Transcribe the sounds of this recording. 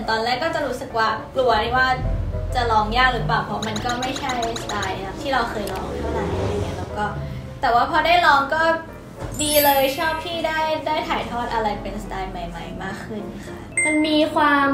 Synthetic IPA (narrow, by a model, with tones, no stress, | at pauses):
nt̪ɔː˧nlɛː˥˩kːɔː˥˩t͡ɕa˨˩ɾuː˦˥sɯ˨˩k̚waː˥˩plu˧ɐt̪ʰiː˥˩waː˥˩t͡ɕa˨˩lɔː˧ŋjaː˥˩ŋ̚ɾɯ˩˦plaː˨˩wpʰɔ˧˦˥ma˧nkɔː˥˩ma˥˩jt͡ɕʰa˥˩jst̪aː˧ja˦˥pt̪ʰiː˥˩ɾa˧wxʰɤː˧jlɔː˧ŋt̪ʰa˦˥˩la˨˩ja˦˥˩iː˧˩ni˦˥˩lɛː˦˥wkɔː˥˩ | t̪ɛː˨˩waː˥˩pʰɔː˧daː˥˩jlɔː˧ŋkɔː˥˩ | diː˧lɤː˧jt͡ɕʰɔː˥˩p̚t̪ʰiː˥˩daː˥˩jdaː˥˩jt̪ʰaː˨˦jt̪ʰɔː˥˩t̪̚ʔa˧ɾa˧jpe˧nsḁt̪aː˧jma˧jma˦˧jmaː˥˩kʰːɯ˥˩nʔa˧˩kʰa̰˦˥ma˧nmiː˧kʰwaː˧m